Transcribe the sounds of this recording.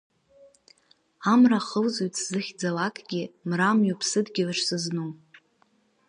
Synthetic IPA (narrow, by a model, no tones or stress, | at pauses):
amraχəlzujtʼz̥ɨχʲd͡zalakʼɡʲɪmramjapʰsɨdɡʲɪlɨʂsɨznuw